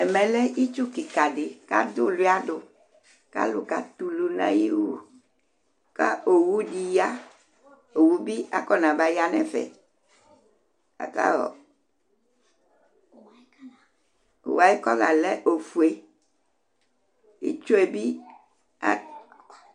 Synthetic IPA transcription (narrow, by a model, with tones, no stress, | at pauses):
ɛ˨mɛ̃˨lɛ˦i˦t͡ʃu˦ki˨ka˨ɖe˨ka̰˦do˦lu˦a˦ɖo˨ | ka̰˦lu˦ka˨t̪u˨lu˨nã̰˦ji˦wu˦ | ka̰˦ʔo˨wu˦di˨ja˦ | o˨wu˦bi˦a˦kɔ˦nã˨ba˦ja˦nɛ̰̃˦fɛ̰˨ | a̰˨ka̰˦ɔ˨ | o̰˨wa˨i˦kɔ˦la̰˨lɛ˦ʔo˨fu˨e˨ | ḭ˦t͡ʃo˦e˨bi˦ | a˦